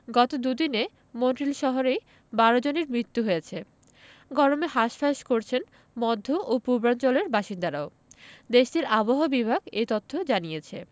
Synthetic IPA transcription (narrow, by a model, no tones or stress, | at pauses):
ɡɔt̪od̪ud̪ine | monʈɾilʃɔɦoɾej | baɾod͡ʑoneɾmɾit̪ːuɦojet͡ɕʰe | ɡɔɾomeɦaʃpʰaʃkoɾt͡ɕʰen | mɔd̪ʱːoʔopuɾbɾant͡ɕoleɾbaʃind̪aɾao | d̪eʃd̪iɾaboɦobibʱaɡejt̪ot̪ʰːod͡ʑanijet͡ɕʰe